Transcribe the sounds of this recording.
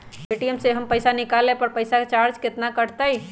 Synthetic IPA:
eʈijəmseɦəmpəɪsanikalːepəɾpəɪsaket͡ʃaɾd͡ʒket̪nakəɽt̪əj

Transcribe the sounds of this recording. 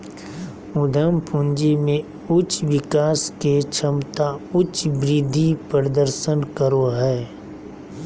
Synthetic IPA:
ʊd̪ʱəmpʰũnd͡ʒimẽ | ʊt͡ʃʋɪkaːsket͡ʃʰəmt̪aʊt͡ʃbɾɪd̪ʱːipɾəd̪əɾʃənkəɾoɦɛː

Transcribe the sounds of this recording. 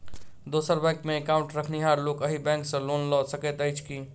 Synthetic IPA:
d̪osəɾbɛ̃kmeːkaũɳʈɾəkʰniɦaɾlokəɦibɛ̃ŋksə̃lonlɔsəkɛt̪əjt͡ʃʰki

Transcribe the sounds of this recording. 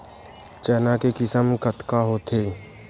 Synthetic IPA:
t͡ʃəːnakekɪsəmkət̪kaɦoːt̪ʰeː

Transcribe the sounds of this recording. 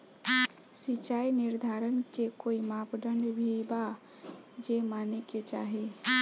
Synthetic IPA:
sit͡ʃainiɾd̪ʱaɾənkekoimapɖəɳɖbʱiba | d͡ʒemaneket͡ʃa̰ɦe

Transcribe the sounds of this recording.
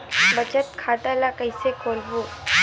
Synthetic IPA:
bət͡ɕət̪̚kʰaʈalakəjsekolbu

